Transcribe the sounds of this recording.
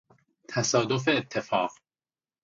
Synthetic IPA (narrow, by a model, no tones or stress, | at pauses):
t̪ʰæsɒːd̪o̞fe̞ːt̪ʰːe̞fɒːq